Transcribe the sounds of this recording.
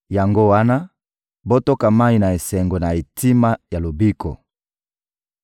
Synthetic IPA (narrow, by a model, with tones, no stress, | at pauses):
ja˨ŋɡo˦wa˦na˦ | bo˦to˦ka˨ma˦i˨na˨e˨sɛ˨ŋɡo˨na˨e˨ti˦ma˦ja˨lo˨bi˦kʰɔ̰˨